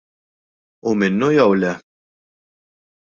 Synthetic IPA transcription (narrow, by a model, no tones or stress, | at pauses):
ʊmɪnːujɐwlɛ